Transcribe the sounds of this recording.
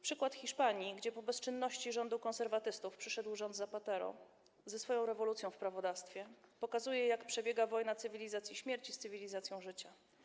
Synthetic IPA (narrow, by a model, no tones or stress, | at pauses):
pʂɘkwat̪xʲiʂpaɲiɡd͡ʑɛpɔbɛst͡ʂɘnːɔɕt͡ɕiʐɔnd̪ukɔ̃nsɛɾvat̪ɘst̪ufpʂɘʂɛd̪wʐɔnd̪zapat̪ɛɾɔ̰ | zɛsfɔjɔ̃w̃ɾɛvɔlut̪sʲjɔ̃w̃fpɾavɔd̪afst̪fʲjɛpɔkazujɛjakpʂɛbʲjɛɡavɔjnat̪sɘvʲilʲizat̪sʲjiɕmʲjɛɾt͡ɕist̪sɘvʲilʲizat̪sjɔ̃w̃ʐɘt͡ɕa